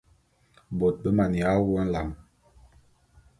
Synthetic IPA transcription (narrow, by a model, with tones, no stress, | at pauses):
bo˨t̚bə˦ma˨ni˨a˦wu˦a˦n̩˦la˨ŋ